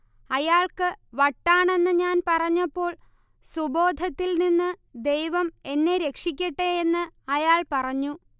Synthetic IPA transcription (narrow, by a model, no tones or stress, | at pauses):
ɐjaːɭkɨʋɐʈːaːɳe̞nːɨɲaːnpɐrɐɲːɐpːo̞ːɭ | subo̞ːd̪ʱɐt̪ːilninːɨd̪e̞jʋɐme̞nːe̞ɾe̞kʂikʲːɐʈːeenːɨɐjaːɭpɐrɐɲːu